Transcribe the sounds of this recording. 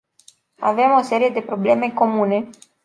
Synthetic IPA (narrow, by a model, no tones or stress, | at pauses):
a̰ve̞mo̞se̞ɾije̞d̪e̞pɾo̞ble̞me̞ko̞mune̞